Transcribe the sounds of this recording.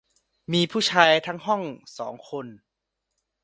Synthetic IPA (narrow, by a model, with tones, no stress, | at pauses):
miː˧pʰuː˥˩t͡ɕʰaː˧jt̪ʰa˦˥ŋɦɔ˥˩ŋsɔː˩˦ŋkʰo˧n